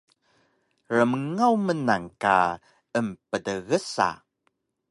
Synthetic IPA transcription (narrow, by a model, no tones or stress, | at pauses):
ɾəməŋawmənaŋka̰ | əmpədəɣəsa̰